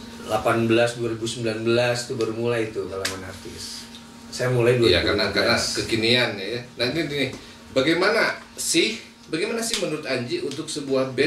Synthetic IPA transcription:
lapanbəlasduaɾibusəmbilanbəlast̪ubərmulajit̪ud̪alamanart̪ɪ̰s | sajamulajduaja̰ka̰nakanakəkinianːajanant̪ɪnt̪inɪh | baɡajmana | sɪh | baɡajmanasɪhmənuɾʊt̪aɲd͡ʒiʔunt̪̬ʊksəbuahbɛ

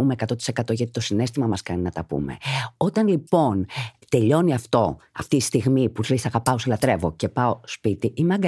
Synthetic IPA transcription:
umeekɐt̪o̞t̪i̥se̞kɐt̪o̞ʝɐt̪it̪o̞sine̞st̪imɐmɐskɐninɐt̪ɐpṵmḛo̞t̪ɐnlipo̞nt̪e̞ʎo̞niɐft̪o̞ɐft̪ist̪iɣmipuθɾisɐɣɐpɐosilɐt̪ɾe̞vo̞ce̞pɐo̞spit̪iʔimeɐɡɐ

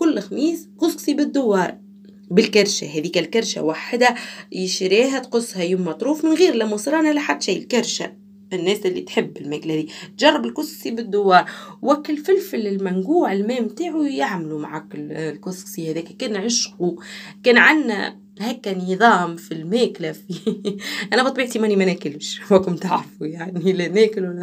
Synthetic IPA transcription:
kʊlːxamiːskʊsˤqsˤibɪd̪ːʊwːɑːɾˤ | bɪlkaɾˤʃaɦɛːðiːkælkaɾˤʃa̰waħd̪æjɪʃɾiːɦæt̪qʊsˤːhæjʊmːɑt̪ˤɾuːfmɪnɣiːɾlæmːʊsˤɾˤɑːnlaħad̪ːʃiːjɪlkaɾˤʃa̰ | ɪnːɛːsʔɪlːḭt̪ħɪbːɪlmæːklæd̪iːt̪ʒɑrˤːɑbɪlkʊsˤqsibɪd̪ːʊwːɑːɾˤwækːɪlfɪlfɪlɪlmænɡuːʕɪlmæːmːt̪aːʕujaʕmlumaʕakllkʊsˤsˤihæðɛːkækɛːnʕɪʃqukɛːnʕanːæ̰ | hæːkːænɨðˤɑːmfilmæːklæfi | ʔænæbɑt̪ˤbiʕt̪imænimænæːkɪlʃwækʊmt̪aʕɾˤfujaʕnilænæːkɪl

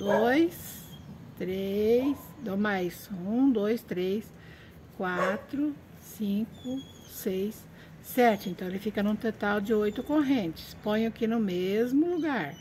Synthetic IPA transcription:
d̪ojs | t̪ɾejsd̪omajsũd̪ojst̪ɾejs | kwat̪ɾʊ | sĩkʊ | sejsː | ɛt͡ʃɪẽnt̪ɐ̃w̃elɪfikɐnũt̪ot̪awd͡ʒɪojt̪ʊkoɦẽnt͡ʃɪ̥spõj̃akinʊmezmʊluɡaɾ

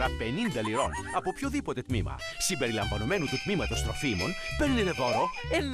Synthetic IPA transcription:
ɾɐpe̞nind̪ɐliɾo̞nɐpo̞pçoðipo̞t̪e̞t̪mimɐ̰simbe̞ɾilɐɱvɐno̞me̞nut̪ut̪mimɐt̪ɐst̪ɾo̞fimo̞̰npe̞ɾniet̪e̞ðo̞ɾo̞en

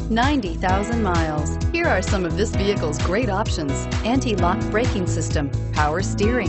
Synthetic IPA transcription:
nãɪ̃ntiθaʊzə̃nmaɪlˠz̥hiɹaɹsʌ̃mʌvðɪsviɨkl̩ˠzɡɹeɪɾɑpʃɨ̃nz̥ | ʔæ̃ntilɑk̚b̥ɹeɪkɪ̃ŋsɪstə̃mpʰaʊə˞stɪɹɪ̃ŋ

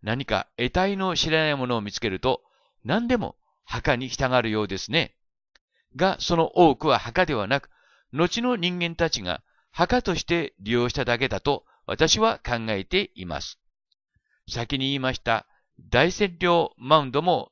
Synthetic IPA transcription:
naɲ̟ika̰e̞t̪aino̞ɕiɾanaimo̞no̞ːmʲit͡sɨ̥ke̞ɾɯ̟t̪o̞ | nãnd̪e̞mo̰ | hakaɲ̟içʲi̥t̪aɡaɾɯ̟jo̞ːd̪e̞sɨne̞ | ɡaso̞no̞ʔo̞ːkɯ̟βahakad̪e̞β̞anakɯ̟̥ | no̞t͡ɕino̞ɲ̟ĩŋɡẽ̞nt̪at͡ɕiŋa̰ | hakat̪o̞ɕi̥t̪e̞ɾʲijo̞ːɕi̥t̪ad̪ak̬e̞d̪at̪o̞ | βa̰t̪aɕiβakãŋɡae̞t̪e̞ima̰sɨ̥ | sakʲiɲ̟iiːmaɕi̥t̪a̰ | d̪aisẽ̞nɾʲo̞ːmaɯ̟̃nd̪o̞mo̞

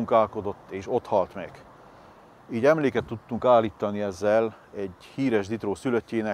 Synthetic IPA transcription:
uŋkaːlko̞d̪o̞t̪ːeːʃo̞t̪hɒlt̪mɛ̰ɡ̥ | iːɟɛmleːkɛt̪ːut̪ːuŋkaːlːiːt̪ːɒniɛzːɛl | ɛɟ | hiːɾɛʒd̪it̪ɾoːsyløcːeːnɛ

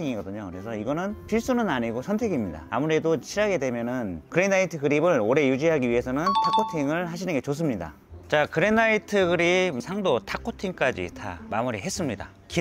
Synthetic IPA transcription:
iŋiɡʌdɯɲokɯɾe̞sʰʌiɡʌnɯnpʰiɭs͈unɯnaɲiɡosʰʌntʰe̞ɡimɲida̰a̰muɾe̞dot͡ɕʰiɾaɡe̞dwe̞mjʌnɯnkɯɾenaitʰɯɡɯɾibɯɭoɾe̞jud͡ʑiɦaɡiɥiɦe̞sʰʌnɯntʰakʰotʰiŋɯɭɦaɕʰinɯnŋɡe̞t͡ɕos̬͈ɯmɲida̰ | t͡ɕakɯɾenaitʰɯɡɯɾibsʰaŋdotʰakʰotʰiŋk͈ad͡ʑḭtʰa̰mamuɾḭɦe̞s͈ɯmɲida̰ | ki

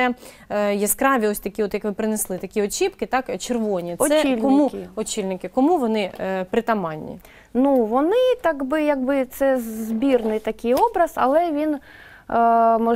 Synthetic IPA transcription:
ɛ | jɛskɾɑʋʲiɔsʲt̪ɐkʲiɔt̪jɐkʋɪpɾɪneslˠɪt̪ɐkʲiɔt͡ʃʲipkɪt̪ɑkt͡ʃerʋɔnʲiɔsɛlʲkɔmukɔt͡ʃʲilʲnɪkɪkɔmuʋɔnɪpɾɪt̪ɐmɑnʲːḭ | nuʋɔnɪt̪ɑɡbɪjɐɡ̚bɪt̪sɛzbʲirnɪjt̪ɐkʲɪjɔbɾɐzɐ̰lˠɛʋʲin | mɔ

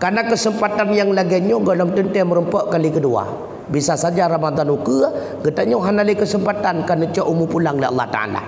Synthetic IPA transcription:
kanakəsəmpat̪anjaŋlaɡɛɲoɡalɔmt̪ənt̪ɛməɾəmpɔʔkalikədua̰ | bisasad͡ʒaɾamad̪anukə | ɡət̪aʔɲoɦanaləkəsəmpat̪ankanət͡ʃɔʔumupulaŋləɑ̰lˠːa̰ht̪aa̰la̰

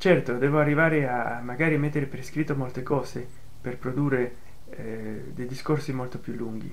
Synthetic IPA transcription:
t͡ʃɛrt̪od̪ɛːvoarːivaːɾeamːaɡaːɾimet̪ːeɾepɾeskɾit̪ːomolt̪ekɔːze | perpɾod̪uːrːe | d̪ejd̪iskorsimolt̪opjulːuŋɡḭ

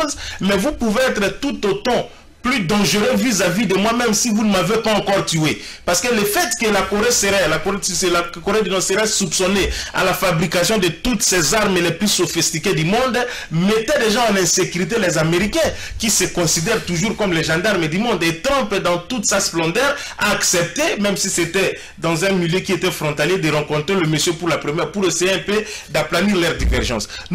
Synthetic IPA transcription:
zmɛvupuveɛt̪ʁət̪ut̪ot̪ɑ̃ | plyd̪ɑ̃ʒəʁøvizavid̪əmwamɛ̃msivunəmavepaɑ̃kɔʁt̪ye | paʁsə̥kələfɛt̪kəlakoʁesəʁɛlakoelakoʁed̪ynɔ̃səʁɛsupsɔnea̰lafabʁikasjɔ̃d̪ət̪ut̪sɛzaʁməlɛplysofist̪iked̪ymɔ̃d̪ | met̪ɛ̃d̪ɛʒɑ̃ãlɛ̃sekyʁit̪̬elɛzameʁikɛ̃ | kisəkɔ̃sid̪ɛʁt̪uʒuʁkɔmlɛʒɑ̃d̪aʁmd̪ymɔ̃d̪et̪ʁɑ̃pd̪ɑ̃t̪ut̪sasplɑ̃d̪ɛʁa̰ːksɛp̚t̪emɛ̃msiset̪ɛ | d̪ɑ̃zɛ̃miljekiet̪ɛfʁɔ̃t̪aljed̪əʁɑ̃kɔ̃t̪ʁeləməsjøpuʁlapχəmɛʁpuʁesejeɛ̃pød̪aplaniʁlœʁd̪ḭvɛʁʒɑ̰̃s

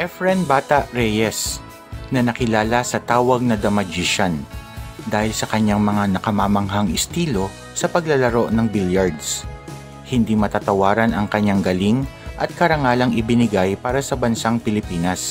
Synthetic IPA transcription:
ʔɛfɹɛnbaːt̪ɐʔɾɛjɛs | nɐnɐkɪlaːlɐsɐt̪aːwɐɡ̚nɐd̪ɐmɐd͡ʒiʃɐnd̪aːhɪlsɐkɐɲaŋmɐŋanɐkɐmamɐŋɦaŋʔɪst̪iːlo̞ | sɐpɐɡlɐlɐɾo̞ʔnɐŋbiljaɹd̪s | hɪnd̪imɐt̪at̪ɐwaːɾɐnɐŋkɐɲːaŋɡɐliŋʔɐt̪̚kɐɾɐŋaːlɐŋɪbɪnɪɡajpaːɾɐsɐbɐnsaŋpɪlɪpiːnɐs

